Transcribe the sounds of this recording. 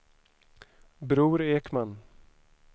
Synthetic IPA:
bɾuːɾeːkman

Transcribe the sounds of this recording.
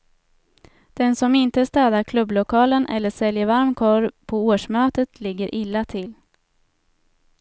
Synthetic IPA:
d̪̥ɛnsɔmɪnt̪əst̪ɛːd̪aɾkʰlɵblʊkʰɑːlənʔɛ̰lːəʂɛljəvaɾmkʰɔɾpʰɔoːʂmøːt̪ət̪ʰlɪɡːəɾʔɪlːat̪ʰɪl

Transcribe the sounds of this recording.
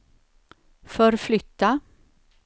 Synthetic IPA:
fɔɾflʏt̪ːa

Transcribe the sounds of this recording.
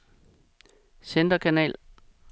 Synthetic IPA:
send̥ɐkʰænɛ̰ːl

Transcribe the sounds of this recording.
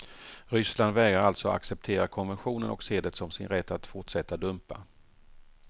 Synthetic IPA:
ɾʏsland̪vɛːɡɾaɾalt̪sɔa̰ksɛp̚t̪ʰeːɾakʰɔnvɛnɧuːnənɔ̰kseːd̪ət̪sɔmsɪnɾɛt̪ʰːat̪fʊʈʂɛt̪ːad̪ɵmpa̰

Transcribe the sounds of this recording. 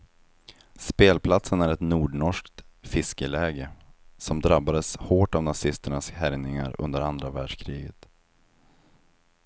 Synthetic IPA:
speːlpʰlat̪sənæɾɛt̪nuːɖɳɔʂkt̪fɪskəlɛːɡəsɔmd̪ɾabːad̪əshoːʈavnasɪst̪əɳashæɾnɪŋa̰ɾɵ̰nd̪əɾand̪ɾavæːɖʂkʰɾiːɡət̪

